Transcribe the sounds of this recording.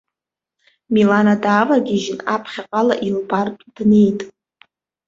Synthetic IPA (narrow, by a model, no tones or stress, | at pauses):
milanadaːvaɡʲiʒɪnapʰχʲaqʼala̰ʔilbartʼd̥nejtʼ